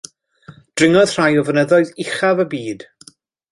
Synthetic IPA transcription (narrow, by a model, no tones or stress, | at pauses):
d̥rɪŋɔð̥r̥ajɔvənəðɔɨðɪχavəbiːd̥